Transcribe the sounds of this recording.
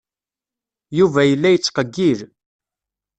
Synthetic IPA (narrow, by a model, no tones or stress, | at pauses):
juvæjəlːæjət͡sːqəɡːil